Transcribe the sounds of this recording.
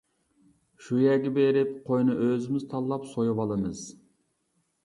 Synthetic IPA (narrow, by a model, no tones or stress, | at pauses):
ʃujɛɡʲɛbeɾɪpqʰojnɨʔøzɪmɪzt̪ʰɑlˠːɑpsojuwɑlˠɨmɨz̥